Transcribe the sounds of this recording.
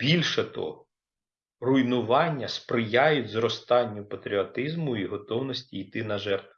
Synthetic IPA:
b̥ʲilʲʃɛt̪ɔ̰ɦɔ | rʊjnʊʋɑnʲːɐspɾɪjajʊtʲzrɔst̪ɑnʲːʊpɐt̪ɾʲiɔt̪ɪzmʊiɦɔt̪ɔwnɔsʲtʲiːjt̪ɪnɐʒɛrt̪

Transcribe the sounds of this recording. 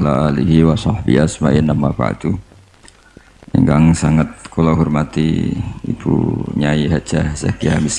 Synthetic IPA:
laaliɦiwasɑhbḭasmaʔinamapa̰t̪u | iŋɡaŋsaŋat̪̚kulaɦurmat̪ḭḭpʰṵɲaiɦat͡ʃasa̰kiamis

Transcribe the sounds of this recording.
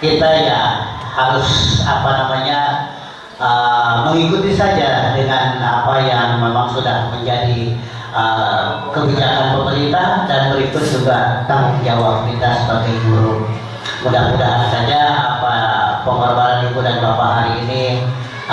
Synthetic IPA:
kit̪ajahaɾʊsapanamaɲa | əməŋikut̪isad͡ʒadəŋanapajaŋmemaŋsudahməɲd͡ʒadi | ə | kəbid͡ʒaaʔanpəməɾit̪adabəɾit̪ʊt̪̚d͡ʒuɡat̪aɾik̚d͡ʒawap̚kit̪asə̥pərt̪iɡuɾu | udahudaɦansad͡ʒaapapəmərbaɾanik̪udanbapaɦaɾiːni

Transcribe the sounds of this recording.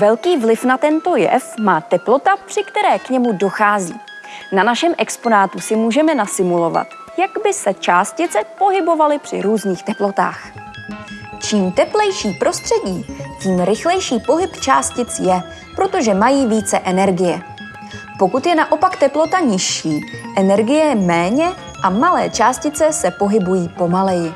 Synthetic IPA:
vɛlkiːvlɪfnat̪ɛnt̪o̞jɛ̰fmaːt̪ɛplo̞t̪apr̝̥ɪkt̪ɛɾɛːkɲɛmudo̞xaːzḭː | nanaʃɛmʔɛkspo̞naːt̪usɪmuːʒɛmɛnasɪmulo̞va̰t̪ | jaɡbɪsɛt͡ʃaːscɪt͡sɛpo̞ɦɪbo̞valɪpr̝̥ɪ̰ɾuːzɲiːxt̪ɛplo̞t̪a̰ːx | t͡ʃiːmt̪ɛplɛjʃiːpɾo̞st̪r̝̥ɛɟiːciːmɾɪxlɛjʃiːpo̞ɦɪpt͡ʃaːscɪt͡sjɛ | pɾo̞t̪o̞ʒɛmajiːviːt͡sɛʔɛnɛɾɡɪjɛ | po̞kut̪jɛnaʔo̞pakt̪ɛplo̞t̪aɲɪʃiːʔɛnɛɾɡɪjɛjɛmɛːɲɛ | ʔamalɛːt͡ʃaːscɪt͡sɛsɛpo̞ɦɪbujiːpo̞malɛjɪ

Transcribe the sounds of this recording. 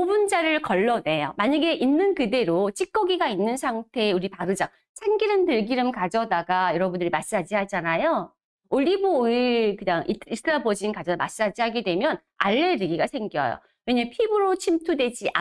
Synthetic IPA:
obund͡ʑaɾɯɭkʌɭːʌne̞jo̰maɲaɡe̞ʔinːɯnkɯde̞ɾot͡ɕʰik͈ʌɡiɡainːɯnsʰaŋtʰe̞ːuɾipaɾɯd͡ʑa | t͡ɕʰaŋɡiɾɯntɯɭɡiɾɯmkad͡ʑʌdaɡajʌɾʌbundɯɾimas͈ɯɦad͡ʑiɦad͡ʑanajo | oʎːiboikɯɲaŋiistʰɾabod͡ʑinkad͡ʑʌma̰s͈ɯɦad͡ʑiɦaɡedwe̞mjʌn | a̰ɭːe̞ɾɯɡiɡasʰe̞ŋɡjʌ̰jo̰ | weɲampʰibɯɾot͡ɕʰimtʰudwe̞d͡ʑiʔa

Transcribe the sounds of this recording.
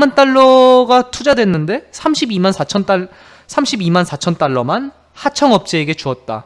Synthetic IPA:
mant͈aɭːʌɡatʰud͡ʑadwe̞nːɯnde̞sʰamɕʰibimansʰat͡ɕʰʌnt͈a | sʰamɕʰibimansʰat͡ɕʰʌnt͈aɭːʌman | hat͡ɕʰʌŋʌp̚t͡ɕ͈eːɡe̞t͡ɕuʌt̚t͈a̰

